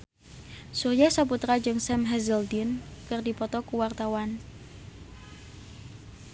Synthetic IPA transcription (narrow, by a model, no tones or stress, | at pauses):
surjasaput̪ɾad͡ʒɨŋsɛmɦɛzəld̪inkərdipɔt̪ɔkuwart̪awan